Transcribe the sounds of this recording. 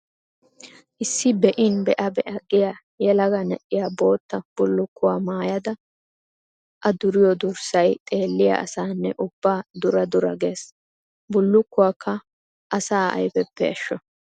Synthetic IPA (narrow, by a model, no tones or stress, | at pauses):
ʔɪsːɪbɛʔɪnbɛʔɐbɛʔɐɡɪja | jɛlɐɡɐnɛʔɪjaːbo̞ːt̪ːɐb̥ʊlːʊkːʊwaːmaːjɐd̪ɐ | ʔɐd̪ʊɾɪjɔd̪ʊɾsɐjt̪ʼe̞ːlːɪjɐ̰ʔɐ̰saːnːɛ̰ʔʊbːaːd̪ʊɾɐd̪ʊɾɐ̰ɡe̞ːs | bʊlːʊkːʊwaːkʰːɐ | ʔɐsaːɐ̰jfɛpːɛɐʃːɔ